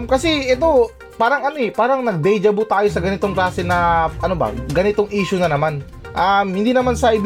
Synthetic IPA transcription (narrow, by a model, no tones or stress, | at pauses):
mkɐsɛɛt̪o̞ | paːɾɐŋɐnoɛpaːɾɐŋnɐɡ̚d̪ɛjd͡ʒɐbʊt̪aːjo̞sɐɡɐnɪt̪o̞ŋklaːsɛnɐʔɐnobɐ̰ɡɐnɪt̪o̞ŋʔiːʃʊnɐnɐman | ʔamhɪnd̪iːnɐmansɐʔɪb